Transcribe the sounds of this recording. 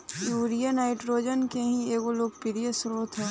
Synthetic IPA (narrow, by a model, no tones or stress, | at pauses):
uːɾijənɦaɪʈɾoːd͡ʒənkeɦĩeːɡoloːɡ̚pɪɾijəsʊɾot̪ʰɛː